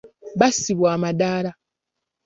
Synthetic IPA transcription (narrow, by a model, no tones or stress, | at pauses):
βasiβwaːmadaːla